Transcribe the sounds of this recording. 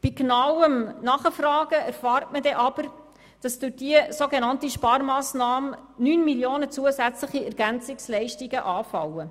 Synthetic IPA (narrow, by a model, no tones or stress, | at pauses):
b̥iɡnɑwəmnɑχəfrɑːɡ̥əʔæɾfɑːrtmədɛʔɑb̥əɾ | d̥ɑsd̥ʊɾd̥iəsoɡenɑntiʃpɑːɾmɑːsnɑːmnyːnmiljoːnət͡suəzæt͡sləχiæɾɡ̥ænt͡sɪkslɛɪʃtiɡəʔɑːfɑwə